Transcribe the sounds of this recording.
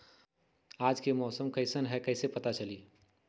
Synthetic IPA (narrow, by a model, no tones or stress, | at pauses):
aːd͡ʒkemɔːsəmkɐɪsənɦɛkɐɪsepɐt̪at͡ʃɐliː